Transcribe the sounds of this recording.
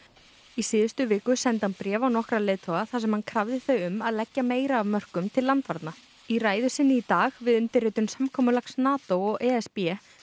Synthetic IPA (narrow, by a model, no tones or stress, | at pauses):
isɪːðʏst̪ʏvɪːkʏsɛnt̪anpɾjɛːvawnɔhkɾalɪːðt̪ʰowɣaθasɛmhankʰɾavðɪθœɥʏmaðlɛcːameːjɾaːvmœr̥kʏmt̪ʰɪlːant̪vaɾt̪na | iraːjðʏsɪnːɪit̪aːɣvɪðʏnt̪ɪɾrɪːt̪ʏmsamkʰɔːmʏlaksnaːt̪owɔɣɛːɛspjɛ